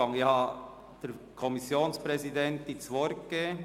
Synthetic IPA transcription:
ɑŋihɑ | d̥ɛɾkʰɔmisjoːnspɾɛsid̪ɛnt̪̚dit͡sʋɔɾkɡe

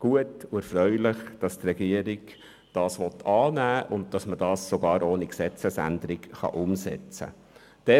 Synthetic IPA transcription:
ɡ̥uətʊɛɾfɾœʏlɪχd̥ɑst̪rɛɡiəɾɪɡ | d̥ɑːsʋɔt̪ʰɑːnæːʔʊndd̥ɑsməd̥ɑːsːoɡɑːɾoːniksɛt͡səsæ̰nd̪əɾɪɡχɑ̰ʔʊmsɛ̰t͡sə̰ | d̥ɛ

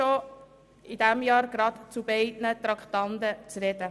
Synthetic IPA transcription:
o | idæmjɑːɾɡ̥ɾɑt̪t͡subɛɪdnət̪ɾɑkʰt̪ɑnd̪ət͡sɾɛdə

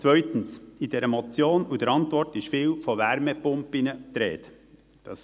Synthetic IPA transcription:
t͡svœʏt̪ən̩sid̥ɛɾəmɔt͡sjoːnudəɾɑntvɔɾrtɪʃfiːwfɔʋæɾmɛpʊmpinət̪ɾɛ̰ːt | d̥ɑ̰s

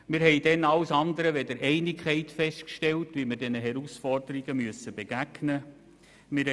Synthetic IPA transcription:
mɪːɾɦɛɪd̥ɛnɑwsɑnd̪əɾəʋɛd̥əɾɛɪnikʰɛɪtfɛʃtkʃtɛltʋiməɾdɛnəɦɛɾusfɔrdəɾiɡəmyəsəb̥eɡ̥æɡ̥nə | mɪɾ

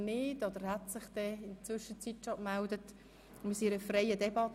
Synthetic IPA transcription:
nɪdɔd̥̪əɾhɛtsɪχd̥ɛɪnt͡svʏʃət͡sitːʃɑmældət | mɪsiɾəfrɛɪədɛbɑt

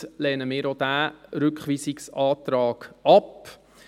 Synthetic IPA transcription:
lɛːnəmɪːɾod̪̥æːɾʏkχʋiːsɪksɑːt̪ɾɑːɡ̥ɑp

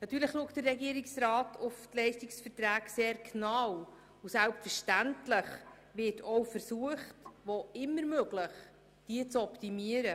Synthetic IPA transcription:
nɑtːyːɾləχluəktdərːɛɡiəɾiksɾɑːtʰʊftlɛɪʃtiksfərtɾæːɡseːɾknɑw | usælpfəɾʃtæntləχ | ʋɪtʰɔwfəɾsuəχtʋoɪmːəɾmøɡləχ | d̥iət͡sɔptimiəɾə

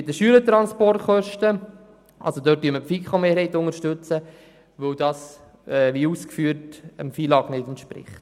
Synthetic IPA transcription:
ɪtdəʃyːələtɾɑnspɔrtχœʃtə | ʔɑ̰lsodøːt̚d̥yəməpfikχomeːɾhɛɪtʊŋəɾʃtɵt͡sə | ʋɵwdɑːs | ɛʋiuːskfyːrtəmfiːlɑːɡnɪdntʃpɾɪ̰χt

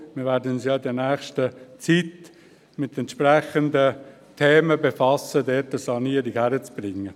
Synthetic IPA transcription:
mɪːvɛːɾdənʊnsjɑːdiːnɛːχʃtət͡sit | mɪt̪ɛntʃpɾɛχəndə | t̪ʰeːməbefɑsədɛːtəsɑniːəɾɪkhæɾət͡sb̥rɪŋːə

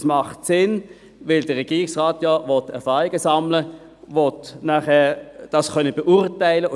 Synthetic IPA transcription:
smɑχtsɪn | vɪldəʁɛɡiːʁɪksʁaːtjɔvɔtɛɐfɑːʁɪɡəsɑmlə | vɔtnaχɛːʁd̥ɑsχœnəbeʔuʁtæɪlə

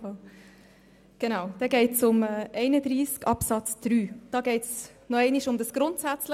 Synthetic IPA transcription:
ɡ̥enaʊd̥ɛɡeɪtsʊmɛʔɛɪnədɾiːskɑpsɑt͡sd̥ɾyːd̥ɑːɡeɪts | noɛɪnɪʃʊmdɑsɡ̥ɾʊntsæt͡slə

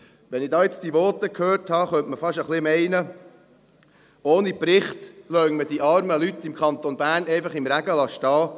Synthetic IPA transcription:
ʋɛnɪdɑːjet͡sd̥iʋɔːtəkʰhøːrthɑχœntməfɑʃəχlɪmɛɪnə | oːnipɾɪχtlœŋməd̥iʔɑɾməlyt̪ːɪmkχɑnt̪onb̥æːrnɛɪfɑχɪmɾæɡ̥əlɑʃtɑː

